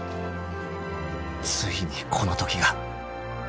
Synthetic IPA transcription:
t͡sɨɡʲiɲ̟ikʰo̞not̪o̞kʲiɡa

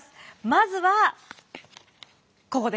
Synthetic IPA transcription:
sɨ̥mazɨβa | ko̞ko̞d̪e

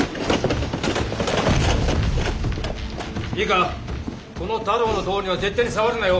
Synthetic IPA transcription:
iɡa | kʰonot̪aɾoːnod̪oːniʋad͡zet̪ːenisawaɾenajo

